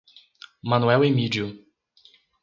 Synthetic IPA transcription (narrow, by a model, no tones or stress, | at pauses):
mɐ̃nuɛwemid͡ʒiu